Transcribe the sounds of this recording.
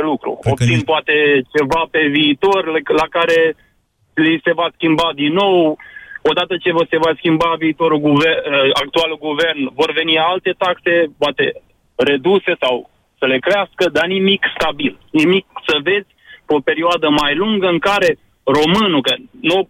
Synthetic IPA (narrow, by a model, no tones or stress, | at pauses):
lukɾṵo̞p̚t̪sinpʊat̪e̞t͡ʃe̞vape̞viːt̪o̞rllakaɾe̞ | lise̞vaskʲimbad̪inːo̞wo̞d̪at̪ət͡ʃe̞vose̞vaskʲimbaviːt̪o̞ɾuɡuvea̰k̚t̪ualuɡuve̞rnvo̞rve̞nialt̪e̞t̪akse̞poat̪e̞̰ | ɾe̞d̪use̞saw | səle̞kɾeaskəd̪animikst̪abilnimik̚səve̞dzʲpo̞pe̞ɾioad̪əmajluŋɡəɨŋkaɾe̞ | ro̞mɨnukəno